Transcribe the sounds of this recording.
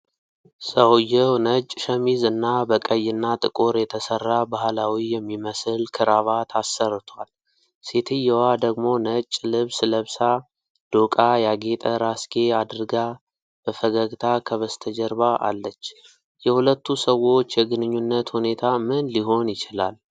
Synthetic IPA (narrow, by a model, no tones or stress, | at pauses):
səwjːɛwnət͡ʃʼʃəmizɨnːabəkʼəjːɪnːat̪ʼɨkʼoɾjɛt̪ʰəsərːabahlawijɛmːiməsɨlkʰɨɾaβat̪ʰasːərt̪ʰwal | set̪ʰɨjːɛwad̪əɡmo̞nət͡ʃʼːlɨβsləβsa | d̪̥okʼajaɡe̞t̪ʼəɾaskʰʼe̞ad̪ɨɾɡa | b̥əfəɡəɡt̪ʰakʰəβəst̪ʰəd͡ʒɛɾbaʔa̰lːət͡ʃː | jɛhulət̪ːusəwo̞t͡ʃːjɛɡɨnɨɲːunːət̪hune̞t̪ʰamɨnliɦo̞njɪt͡ʃɪlal